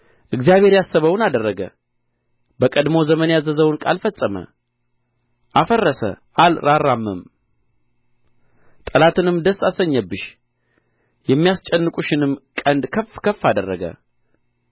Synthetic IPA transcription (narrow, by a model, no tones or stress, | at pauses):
ʔɨɡzijaβhe̞ɾjasəβəwnad̪ərːəɡə̰ | bəkʼəd̪mo̞zəmənjazəzəwʊnkʼalfəsʼːəmə̰ | ʔafərːəsə̰ | ʔalɾarːamːɨm | t̪ʼəlat̪ʰɨnɨmd̪əsasəɲːəbːɨʃ | jɛmːijast͡ʃʼɛnːɨkʼuʃɪnɨmkʼənd̪kʰəfkʰəfːad̪ərːəɡə̰